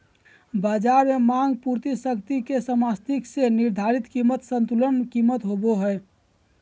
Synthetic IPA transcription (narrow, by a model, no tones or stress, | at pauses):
bad͡ʒaɾmemãŋɡpuɾt̪isəkt̪ikesəmast̪ʰikseniɾd̪ʱaɾit̪kimət̪sənt̪ulənkimːət̪ɦoboɦəj